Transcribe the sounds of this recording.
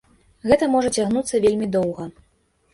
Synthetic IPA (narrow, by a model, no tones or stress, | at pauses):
ɣɛt̪ɐmɔʐɐt͡sʲaɣnut̪sːɐvʲelʲmʲid̪ɔwɣɐ